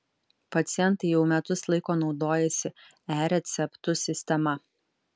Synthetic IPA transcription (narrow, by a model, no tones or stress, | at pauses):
pɐt̪sʲɪjɛnt̪ɐɪjɛʊmʲɛt̪ʊslˠɐɪkoːnɒʊd̪oːjɛsʲɪ | æːɾʲɛt̪sʲɛpt̪ʊsʲɪsʲt̪ʲɛmɐ